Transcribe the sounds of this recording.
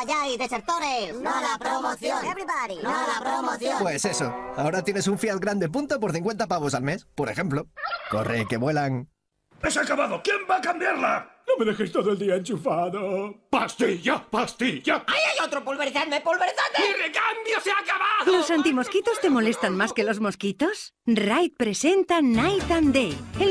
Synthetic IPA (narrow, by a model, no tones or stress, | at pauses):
aʝajðeseɾt̪oɾesnolapɾomoθjoaβɾipaɾiolapɾomoθjopwesesoao̞ɾat̪je̞nesuɱfjaðɡɾand̪ep̬unt̪op̬oɾθiŋkwe̞nt̪apaβo̞salme̞spo̞ɾexe̞mploko̞̰reke̞βwe̞laŋ | esakaβaðokjembaːkambjaɾlanomeðe̞xest̪oðoeld̪iaent͡ʃufaðopast̪iʝapast̪iʝaajajot̪ɾopolβeɾθaɾmepolβeɾθaerekambjoseakaβaðlo̞sant̪imo̞skit̪o̞st̪e̞mo̞le̞st̪anmaske̞lo̞zmo̞skit̪o̞s | rajt̪̚pɾe̞se̞nt̪anajt̪and̪eje